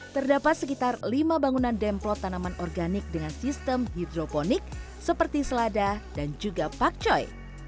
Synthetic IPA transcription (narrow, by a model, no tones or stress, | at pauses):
t̪ərdapat̪̚səkit̪arlimabaŋunandɛmplɔt̪ːanamanʔɔrɡanɪk̚dəŋansist̪əmɦidɾobonik̚ | səpərt̪isəladadand͡ʒuɡapak̚t͡ʃɔj